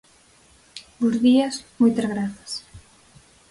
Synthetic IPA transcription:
bozðiɐsmojt̪ɐzɣɾaθɐ̥s

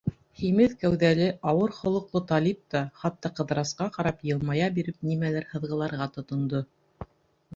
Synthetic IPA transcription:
χimɘðkæwðælɘʔɑwɤɾχŏlˠŏqlˠot̪ɑlʲip̚t̪ɑχɑt̪ːɑqɤ̆ðɾɑsqɑqɑɾɑpjɤ̆lˠmɑjɑbiɾɘp̚nimælæɾhɤ̆ðʁɤ̆lˠɑɾʁɑt̪ŏt̪ŏnd̪o

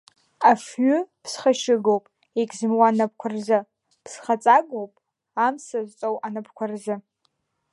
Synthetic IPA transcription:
afɥʏpʰsχaʃɪɡowpʼ | ekʲʼzɨmwanap̚ʰkʷʰarzɨ | pʰsχat͡sʼaɡowpʼ | amsazt͡sʼowanapʰkʷʰarzɨ

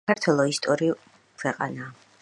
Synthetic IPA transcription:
aɾt̪ʰwɛlˠɔist̪ʼɔɾiu | kʰwɛqʼa̰naː

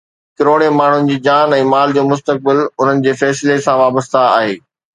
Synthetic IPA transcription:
kɪɾoːɽ̃emaːɳ̤ʊnɪ̆d͡ʑiːd͡ʑaːnɛ̃ːmaːld͡ʑoːmʊs̬t̪ək̚bɪlʊn̤ənɪ̆d͡ʑeːfɛːsɪlesãʋaːbəst̪aa̰ːɦeː

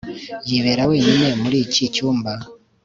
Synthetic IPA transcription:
jiβeɾaweːɲinemuɾiːcicuːmba

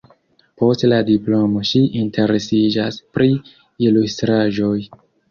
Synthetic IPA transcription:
po̞stladiplo̞mo̞ʃiʔintʰe̞ɾe̞sid͡ʒaspɾi | ilustɾaʒo̞j

